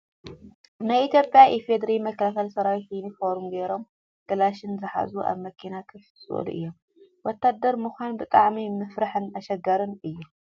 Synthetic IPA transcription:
najʔit̪ʰjopʼjaʔifed̪ɾimɐkʰːɐlakɐlsɐɾawit̪inifoɾumɡeɾo̞m | ɡ̪̥ɐlaʃɨnzɨħa̰zuʔa̰βmɐkʰinakʰɐ | sʼɨ̰ʔlṵʔɨ̰jːom | wɔt̪ʰːad̪ːɐɾmuxʷanbɨt̪ʼaʕmimɨfɾaħɨnɐʃɐɡɐɾɨnɨjːu

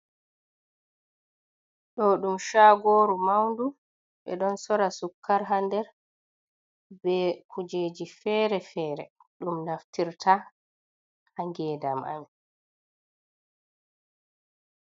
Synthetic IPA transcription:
ɗɔɗumʃaːɡoːɾumawndu | ɓɛ̰ɗɔnsɔɾasukːaɾɦandɛɾ | bɛkʰud͡ʒeːd͡ʒifɛːɾɛfɛːɾɛ̰ɗumnaftiɾtʰa | haŋɡɛːdamʔa̰m

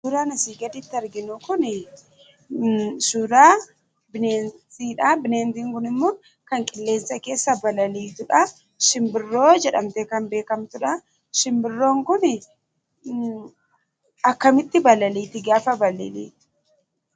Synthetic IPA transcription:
sʊɾaːnɐsiːɡɐd̪ɪt̪ːɪɐɾɡɪnʊkʊnɪ | sʊɾaː | bɪneːntiːᶑɐbɪneːnt̪iːŋkʊnɪmːoː | kɐŋkʼɪlːe̞ːnsɐke̞ːsːɐbɐlɐliːt̪ʊᶑɐ | ʃɪmbɪrːo̞ːd͡ʒɛᶑɐmt̪eːkɐmbe̞ːkɐmt̪ʊᶑɐ | ʃɪmbɪrːo̞ːŋkʊnɪ | ɐkːɐmɪt̪ːɪbɐlɐliːt̪ɪɡaːfɐbɐlɪ̰lḭːt̪ɪ̥

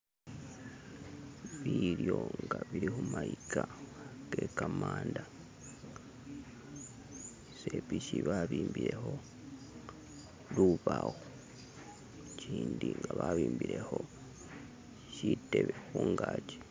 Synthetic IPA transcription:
βiɾjo̞ŋɡaβiɾihumaikaɡ̥e̞kamaːnda | sepiʃiβaβiːmbiɾe̞ho̞ | luβaɣo | ciːndiŋɡaβaβiːmbiɾeho̞ | citeβexuːŋɡaːce̥

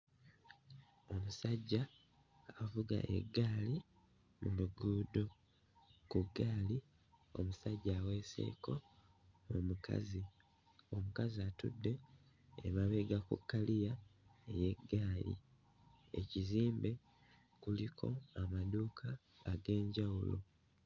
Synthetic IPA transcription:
o̞musaɟːaː | vuɡa̰ʔḛɡːaːli | muluɡuːdo̞ | kuɡːaːli | o̞̰musaɟːawe̞ːse̞̰ːko̞ | omuka̰zi | o̞mukaziatṵdːe̞ː | βaβe̞ɡakukːalijae̞je̞ɡːaːlḭ | ḛciziːmbe̞ | kulikʰo̞̰amaduːkʰaː | ɡe̞ːɲɟawulo̞̰

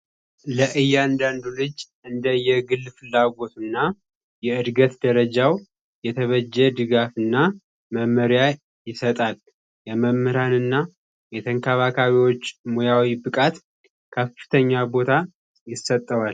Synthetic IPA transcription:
ləʔɨjːand̪and̪ulɨd͡ʒ | ɨnd̪əjɛɡɨlːfɨlːaɡo̞t̪unːa | jɛɨd̪ɡət̪d̪əɾəd͡ʒaw | jɛt̪ʰəβəd͡ʒːɛd̪ɨɡafɨnːa | məmːəɾja | jɪsət̪ʼal | jɛməmːɨɾanɨnːa | jɛt̪ʰəŋkʰəβakʰaβiwo̞t͡ʃːmojawibɨkʼat̪ | kʰəfɨ̥t̪ʰəɲːabo̞t̪ʰa | jɪsət̪ʼːəwal

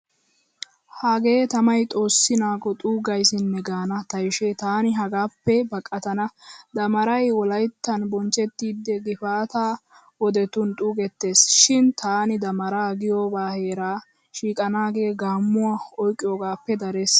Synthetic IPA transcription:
haɡe̞ːt̪ɐmɐjt̪ʼo̞ːsːɪnaːkɔt̪ʼuːɡɐjsɪnːɛɡaːnɐt̪ɐjʃet̪aːnɪɦɐɡaːpːɛbɐkʼːɐt̪ɐnɐd̪ɐmɐɾɐjwɔlɐjt̪ːɐnbɔnt͡ʃʼːɛt̪ːiːd̪ːɛɡɪfaːt̪aː | wɔd̪ɛt̪ʊnt̪ʼuːɡɛt̪ːe̞ːsʃɪnt̪ʰaːnɪd̪ɐmɐɾaːɡɪjoːbaːhe̞ːɾaː | ʃiːkʼɐnaːɡe̞ːɡaːmːʊwaɔjkʼːɪjoːɡaːpːɛd̪ɐɾes

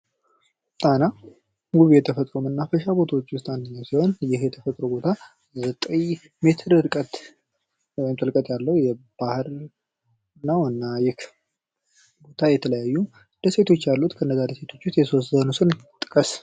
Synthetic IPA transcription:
t̪ʼana | ɡuβijɛt̪ʰəfət̪ʼɾomɨnːafəʃabo̞t̪ʰawot͡ʃːwʊst̪ʼandɨɲːəwsiho̞njɪhjɛt̪ʰəfət̪ʼɾobo̞t̪ʰa | zət̪ʼəj | me̞t̪ʰɨɾɨɾkʼət̪ | wɔjɪmt̪ʼəlkʼət̪ʼjalːəhwjɛb̥ahɨɾ | nːəwɨnːajɪk | bo̞t̪ʰajɛt̪ʰələjajːu | d̪̥əse̞t̪ʰo̞t͡ʃːjalːut̪kʰənːəzad̪ese̞t̪ʰo̞t͡ʃːwʊst̪jɛsoszənusɨnt̪ʼɨkʼəs

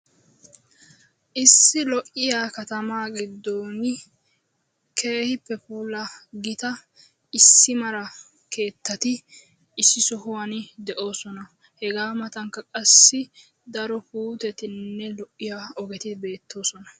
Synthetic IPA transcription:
ʔɪsːɪlɔʔɪjaːkɐt̪ɐmaːɡɪd̪ːoːnɪ | kʰe̞ːhɪpːɛpuːlɐɡɪt̪ɐ | ɪsːɪmɐɾɐ | ke̞ːt̪ːɐt̪ɪ | ɪsːɪsɔhʊwɐnd̪ɛʔo̞ːsɔnɐ | hɛɡaːmɐt̪ɐŋkːɐkʼɐsːɪ | d̪ɐɾɔpuːt̪ɛt̪ɪnːɛlɔʔːɪjaːɔɡɛt̪ɪbe̞ːt̪ʰːo̞ːsɔnɐ

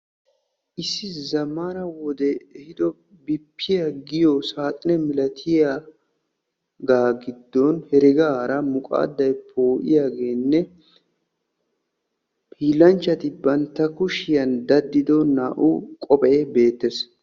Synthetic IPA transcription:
ʔɪsːɪzɐmanɐwɔd̪ɛɛhɪd̪ɔ | bɪpːɪjaɡɪjɔsaːt̪ʼɪnɛmɪlɐt̪ʰɪja | ɡaːɡɪd̪ːɔnhɛɾɪɡɐɾɐmʊkʼa̰ːd̪ːɐjpʰoːʔɪ̰jaːɡe̞ːnːɛ | pʰiːlɐnt͡ʃːɐt̪ɪbɐnt̪ːɐkʊʃɪjɐnd̪ɐd̪ːɪd̪ɔnːaːʔṵkʼɔpʼɐʔebe̞ːt̪ːɛs

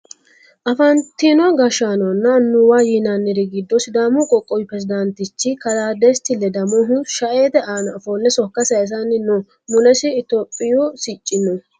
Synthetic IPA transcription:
ʔɐfɐnt̪ːinɔaɡɐʃanɔnːɐnːʊwaːjinanːɪɾɛɡɪd̪ːɔsɪd̪aːmukʼɔkʼːɔwɪpɾɛsɪd̪ɐnt̪ɪt͡ʃːɪkɐlaːd̪est̪ɪlːɛd̪ɐmɔɦʊʃɐʔeːt̪ɛʔaːnɐfonːɛsɔkːɐsɐɛs̬ɐnːɪno | mʊlɛsɪɪt̪oːpʼːɪjosɪt͡ʃʼːɪnɔ

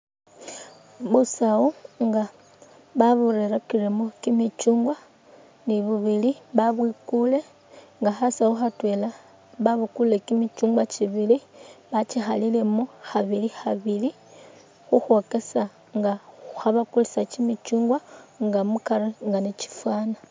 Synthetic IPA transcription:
βusaoŋɡa | βaβuɾeɾakiɾemokimit͡ʃuːŋɡwa | niβuβiliβaβwikule̞ | ŋɡaxasauxatwe̞la | βaβukule̞kimit͡ʃuːŋɡwat͡ʃiβiliβat͡ʃixalile̞moxaβilixaβili | xuxwo̞ke̞sa | ŋɡaxaβakulisacimit͡ʃuːŋɡwaŋɡamukaɾeŋɡanet͡ʃi̥fwaːna

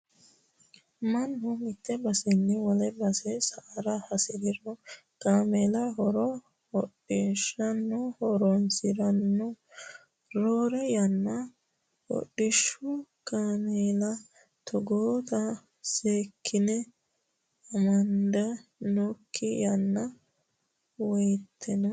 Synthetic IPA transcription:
mɐnhʊmɪt̪ʰːɛbɐsɪnːɪwɔlɛbɐsɛsaɾɐhɐsɪɾɪɾɔ | kaːmeːlɐɦɔɾɔ | hɔɗːɪʃɐnːɔhɔɾɔnsɪɾɐnːɔ | ɾoːɾɛjɐnːɐ | hɔ̰ɗɪʃːʊkʼaːmeːlɐ | t̪ʰɔɡoːt̪ɐ | seːkʰːɪnɛ | ɐmɐnd̪ɛnɔkʰːɪjɐnːɐ | wɔjt̪ʰːɪnɔ

